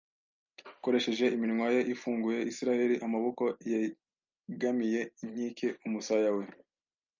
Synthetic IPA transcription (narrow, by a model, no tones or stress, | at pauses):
ko̞ɾe̞ʃe̞ʒe̞ʔimiɾŋwaje̞ʔifuːŋɡuje̞ʔisiɾahe̞ɾiʔamaβoko̞je | ɡamije̞in̥iːkʰe̞umusajawe̞